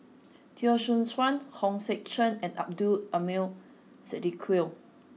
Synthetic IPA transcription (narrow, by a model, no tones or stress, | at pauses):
tʰiɔʃũnswãnhɔ̃ŋsɛk̚t͡ʃə̃nɛ̃na̰p̚duəmil | sɛdikʰwil